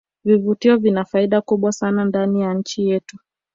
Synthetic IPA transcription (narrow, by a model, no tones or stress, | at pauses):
vivutiɔvinafaiɗakuɓwasanandanijanɲ̩t͡ʃijɛtu̥